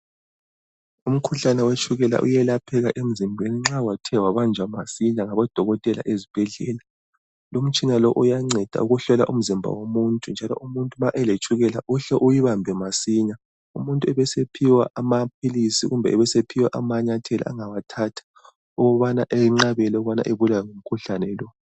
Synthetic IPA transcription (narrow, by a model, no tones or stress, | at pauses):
um̩kʰuɬanɛwet͡ʃʰʼuɣɛla̰ʔṵjɛlapʰɛɣaʔem̩zimbʱeniŋ͡ǁawatʰɛwaβand͡ʒʱwamasiɲaŋaβɔd̥ʱɔɣɔtʼɛla̰ʔezib̥ʱɛɮɛla | lom̩t͡ʃʼinalɔʔujaŋ͡ǀʱɛd̥ʱa̰uɣuɬɔla̰ʔum̩zimbʱa̰womuntʼund͡ʒʱalɔ̰ʔumuntʼumaʔɛlet͡ʃʰʼuɣɛla̰ʔuɬɛʔujiβambʱɛmasiɲa | ṵmuntʼuɛβɛsepʰiwaʔamapʰilisiɣumbʱɛ̰ɛβɛsepʰiwaʔamaɲatʰɛla̰aŋawatʰatʰḁ | ɔɣɔβanaʔeiŋ͡ǁaβɛlɔɣβana̰ʔeβulajɔŋum̩kʰuɬanɛlɔ